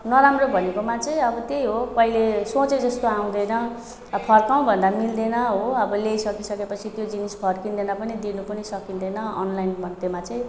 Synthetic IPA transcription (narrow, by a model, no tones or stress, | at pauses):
nʌɾamrobʱʌnekomat͡sʌ̃ĩʌbʌt̪ejɦopʌilesõt͡sed͡zʌst̪oaw̃d̪ʌjnʌ | pʰʌrkaw̃bʱʌnd̪amild̪enʌɦoʌbʌlejsʌkisʌkepʌt͡sʰit̪jod͡zinispʰʌrkind̪enʌpʌnid̪inupʌnisʌkind̪ʌjnʌʌ̰nlajnbʱʌnt̪emat͡sʌĩ